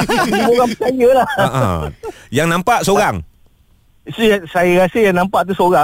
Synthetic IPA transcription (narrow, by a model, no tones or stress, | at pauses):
moɣaŋplajəla̰ | jaŋnãmpaʔsoɣaŋ | siasajaɣasəjaŋnãmpaʔt̪̬usoɾa